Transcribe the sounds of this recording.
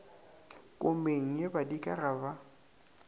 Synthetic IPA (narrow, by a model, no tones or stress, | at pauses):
kʼʊmeŋ̩ɲebadikʼaraba